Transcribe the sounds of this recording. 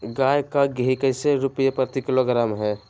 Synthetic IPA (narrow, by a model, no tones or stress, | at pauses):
ɡaːjkaɡɦikəɪseɾʊpjepəɾt̪ɪkɪloɡɾaːmɦɛː